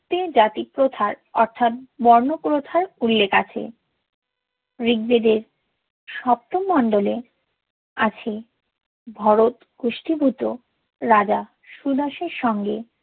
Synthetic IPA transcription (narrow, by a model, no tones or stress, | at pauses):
t̪ed͡ʑat̪ipɾot̪ʰaɾɔɾt̪ʰat̪̚bɔɾnopɾot̪ʰaɾulːekat͡ɕʰḛ | ɾiɡ̚bed̪eɾ | ʃɔp̚t̪oːɔnɖole | at͡ɕʰe | bʱɔɾot̪ɡ̥oʃʈibʱut̪o | ɾad͡ʑa | ʃud̪aʃeɾʃɔŋɡe